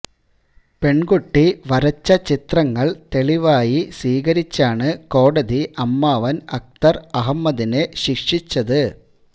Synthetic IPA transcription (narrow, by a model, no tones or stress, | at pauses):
pe̞ɳɡuʈːiʋɐɾɐt͡ɕːɐt͡ɕit̪rɐŋːɐɭt̪e̞ɭiʋaːjisiːɣɐɾit͡ɕːaːɳɨko̞ːɽɐðiʔɐmːaːʋɐnɐk̚t̪ɐrɐɦɐmːɐðine̞ɕikʂit͡ɕːɐðɨ